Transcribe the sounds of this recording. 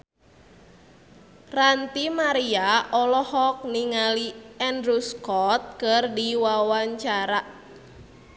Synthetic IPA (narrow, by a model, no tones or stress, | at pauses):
rant̪imaɾiaʔɔlɔhɔk̚niŋaliɛndɾuskɔt̪̚kɨrdiwawaɲt͡ʃaɾa